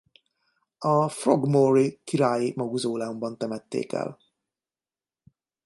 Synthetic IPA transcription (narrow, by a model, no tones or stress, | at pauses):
ɒfroɡmorikiɾaːjimɒɡuzoːlɛumbɒnt̪ɛmɛt̪ːḛːkɛ̰l